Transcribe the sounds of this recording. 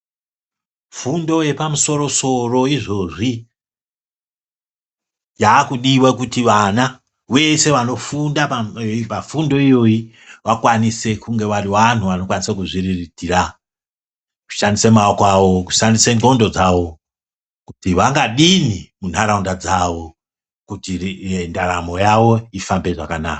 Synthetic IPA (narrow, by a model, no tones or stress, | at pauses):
fundo̞je̞pamuso̞ɾo̞so̞ro̞iʐo̞ʐi | jaːkuɗiwakutiʋana | we̞se̞ʋano̞fundapaipafundo̞ijo̞ji | ʋakwanise̞kuŋɡe̞ʋariʋanuʋano̞kwanisakuʐiriritira | ku̥ʃandisemaokwaʋo̞ku̥ʃandiseŋo̞ndo̞d͡zaʋo̞ | kutiʋaŋɡaɗinimun̤aɾaundad͡zaʋo̞ | kutindaɾamo̞jaʋo̞ifambe̞ʐa̰kana̰ːka